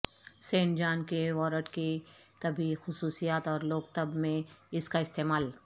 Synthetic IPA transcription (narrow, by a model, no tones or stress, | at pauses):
seːnd͡ʒaːnkewɔːɾəʈket̪ɐbixʊsuːsijaːt̪ɔːɾloːɡt̪ɐbmẽɪskaɪst̪eːmaːl